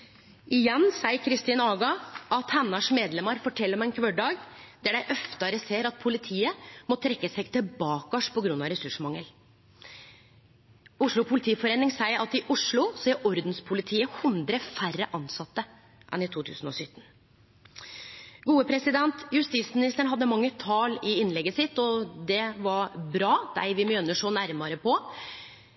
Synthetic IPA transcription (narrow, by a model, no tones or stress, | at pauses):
ʔɪjɛnːsæɪəɾkʰɾɪst̪iːnɑɡɑʔɑt̪hɛnːɑʂmeːd̪lɛməɾfɔʈʰɛlːəɾɔmɛnkʰʋœɖɑːɡd̪æɖæɪʔœft̪əɾəseːɾɑt̪̚pʰʊlɪt̪ʰiːəmɔt̪ʰɾɛkːəsɛɡt̪ʰɪbɑːkɔʂpʰɔɡɾʉnɑɾɛsʉʂmɑŋːəl | ʊʂɭʊpʰʊlɪt̪ʰiːfɔɾeːnɪŋsæɪəɾʔɑt̪ɪʔʊʂɭʊsɛʔɔɾd̪nspʰʊlɪt̪ʰiːəhʉnd̪ɾəfærə̰ʔɑnsɑt̪ːə | ʔɛ̰nɪt̪ʰuːt̪ʰʉ̰ːsn̩ɔsʏt̪ːn̩ | ɡuːəpʰɾɛsɪd̪ɛnt̪jʉst̪iːt̪smɪnɪst̪əɳ̩ɦɑd̪ːəmɑŋːət̪ʰɑːlɪɪnlɛɡəsɪt̪ːɔd̪ɛʋɑɾbɾɑːd̪̥æ̰ɪʋɪmjœnːəʂoːnæɾmɑɾəpɔ